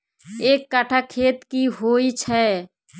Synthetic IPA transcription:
eːkːaʈʰakʰeːt̪kiɦoit͡ʃʰɛ

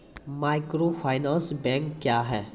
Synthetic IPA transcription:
maːɪkɾoːpʰaːɪnãːnsbɛ̃ːŋkːjaːɦɛː

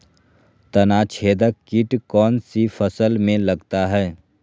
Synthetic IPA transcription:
t̪ɐnat͡ʃʰeːd̪əkːiʈkɔːnsifʰəsəlmẽlɐɡt̪aɦɛː

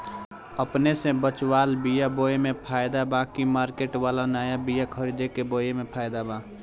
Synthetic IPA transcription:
əpnesẽbət͡ʃwaːlbijaboːjemẽpʰaːɪd̪abakimaːɾkeʈʋaːlanaːjabijakʰəɾid̪ekeboːjemepʰaːjd̪abã

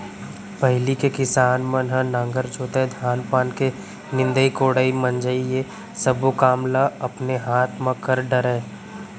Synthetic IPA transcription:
pəɦɪlikekɪsaːnmənɦə̃nãːŋɡəɾt͡ʃʰoːt̪ed̪ʱjaːnpaːnke | nɪ̃nd̪əikoːɽəimə̃nd͡ʒaie | səbokaːmlaɐpneɦaːt̪mə̃kəɾɖəɾeː

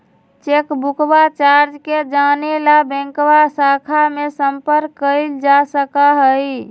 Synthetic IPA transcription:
t͡ʃekbukbat͡ʃaɾd͡ʒked͡ʒanelabɛ̃ŋkwasakʰamesəmpəɾkːəld͡ʒasəkaɦəj

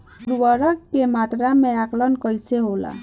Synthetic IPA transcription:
ɾuwəɾəkːemat̪ɾameaklənkʌjseɦola̰

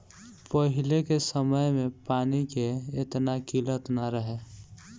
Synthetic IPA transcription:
pəɦɪlekesəməjmẽpaːnikeːt̪nakilət̪naɾəɦe

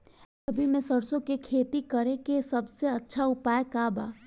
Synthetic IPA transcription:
ɐbʱimɛ̃səɾsõkekʰeːt̪ikɐɾẽkesɐbseɐtːʃʰaʊpaːekaːba̰ː

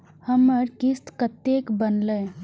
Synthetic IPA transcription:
həməɾkist̪kət̪ekbənləj

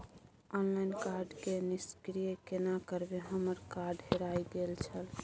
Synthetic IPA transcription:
ɔnlainkaɾɖkeniskɾijəkenakəɾbeɦəməɾkaɾɖɦeɾajɡelt͡ʃʰəl

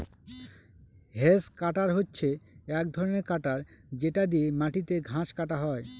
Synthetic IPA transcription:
ɦeskaʈaɾɦotːɕʰeɛk̚d̪ʱɔɾoneɾkaʈaɾd͡ʑeʈad̪iemaʈit̪eɡʱãʃkaʈaɦɔe

